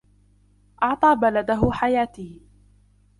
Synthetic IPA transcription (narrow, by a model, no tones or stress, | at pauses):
ʔɑʕt̪ˤɑːbalad̪aɦʊħajaːt̪iː